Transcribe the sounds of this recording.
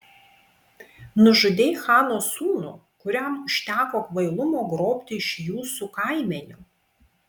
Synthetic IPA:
nʊʒʊd̪ʲeːɪxɑːnoːsuːnṵː | kʊɾʲɛmʊʃʲt̪ʲæːkoːkʋɐɪlˠʊmoːɡɾoːpʲt̪ʲɪɪʃjuːsuːkɑˑɪmʲɛnʲʊ

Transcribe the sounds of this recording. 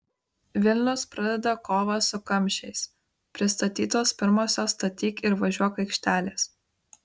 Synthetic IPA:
ʋʲɪlʲnʲʊspɾɐd̪ʲɛd̪ɐkoːʋɐsʊkɐmʲˑʃʲɛɪs | pʲɾʲɪst̪ɐt̪ʲiːt̪oːspʲɪɾmoːsʲoːst̪ɐt̪ʲiːkɪɾʋɐʒʲuɔkɐɪkʃʲt̪ʲæːlʲeːs

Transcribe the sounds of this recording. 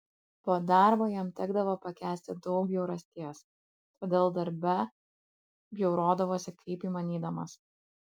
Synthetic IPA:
poːd̪ɑˑɾboːjɛmt̪ʲɛɡd̪ɐʋoːpɐkʲæːsʲt̪ʲɪd̪ɒʊkbʲjɛʊɾɐsʲt̪ʲiɛs | t̪oːd̪ʲeːlˠd̪ɐɾʲbʲɛ | bʲjɛʊɾoːd̪ɐʋoːsʲɪkʰɐɪpiːmɐnʲiːd̪ɐmɐs

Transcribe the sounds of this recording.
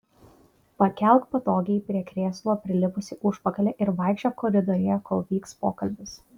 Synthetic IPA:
pɐkʲɛlˠk̪pɐt̪oːɡʲɛɪpʲɾʲiɛkɾʲeːslˠoːpʲɾʲɪlʲɪpʊsʲɪʔʊʃpɐkɐlʲeʔɪɾʋɐˑɪkʃʲt͡ʃʲokɔːɾʲɪd̪ɔːɾʲejokolˠʋʲiːkspoːkɐlʲbʲɪs

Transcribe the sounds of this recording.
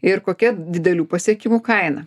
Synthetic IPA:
ɪɾkoːkʲɛd̪ʲɪd̪ʲɛlʲuːpɐsʲɛkʲɪmuːkɐɪnɐ

